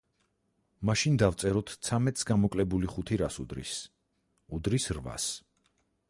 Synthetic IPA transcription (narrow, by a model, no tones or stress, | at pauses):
maʃind̪aft̪sʼɛɾɔt̪ʰt̪sʰamɛt̪ʼsɡamɔkʼlɛbuliχut̪ʰiɾasṵd̪ɾḭs | ud̪ɾisɾva̰s